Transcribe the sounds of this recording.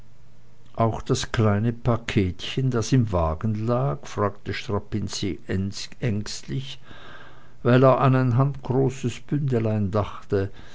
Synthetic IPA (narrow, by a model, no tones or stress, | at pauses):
ʔaʊxd̥askl̥aɪnəpakʰeːtçəndasɪmvaːɡn̩laːkfʁ̥aːktəʃtʁ̥apinsiʔɛŋstlɪç | vaɪleːɐʔanaɪnɦantɡ̥ʁoːsəsb̥ʏndəlaɪndaχtə